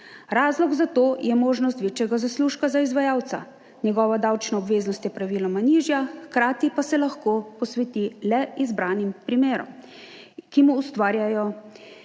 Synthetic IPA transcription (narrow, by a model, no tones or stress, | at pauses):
ɾaːzlɔɡzat̪oːjʔɛmoːʒnɔst̪ʋeːt͡ʃjɛɡazasluːʃkazaizʋajaːwt̪sa̰ | ɲɛɡɔːʋad̪awt͡ʃnaɔbʋeːznɔst̪jɛpɾaʋiːlɔmaniːʒjaxkɾaːt̪ipasɛlaxkopɔsʋɛt̪ilɛizbɾaːnimpɾimeːɾɔ̰m | kimuːst̪ʋaːɾjajɔ